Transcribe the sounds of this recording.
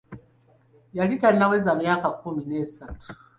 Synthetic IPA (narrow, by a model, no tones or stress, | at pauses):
jalitainawɛzamiakakuminɛsatu̥